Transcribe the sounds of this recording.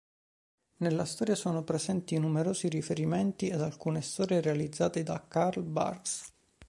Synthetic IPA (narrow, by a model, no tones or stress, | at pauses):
nelːast̪ɔːɾjasoːnopɾezɛnt̪inumeɾoːziɾifeɾimɛnt̪ied̪alkuːnest̪ɔːɾjerealid̪zːaːt̪ed̪akarlba̰rks